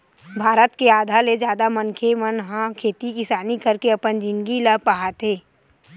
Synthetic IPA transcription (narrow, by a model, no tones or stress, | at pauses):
bʱaːɾət̪keaːd̪ʱaled͡ʒjaːd̪amənkʰemənɦãkʰeːt̪ikɪsaːnikəɾkeɐpənd͡ʒɪ̃nɡilapaɦat̪eː